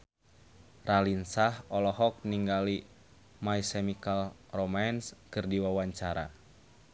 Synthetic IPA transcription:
ralinsahɔlɔɦɔk̚niŋɡali | maisɛmikal | romanskɨrdiwawaɲt͡ʃaɾa̰

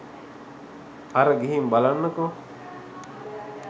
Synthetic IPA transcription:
ɐɾɐɡiɦimbalanːɐko

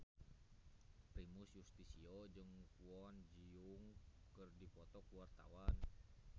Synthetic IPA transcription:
pɾimusjust̪isiɔd͡ʒɨŋkuɔnd͡ʒiuŋkɨrdipɔt̪ɔkuwart̪a̰wan

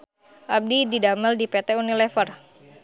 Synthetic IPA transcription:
ʔab̚dididaməldipet̪eunilɛfər

